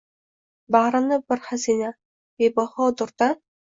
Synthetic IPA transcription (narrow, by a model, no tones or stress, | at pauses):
baɾɨnɪbɪɾχazina | ebahɒd̪ʊɾd̪a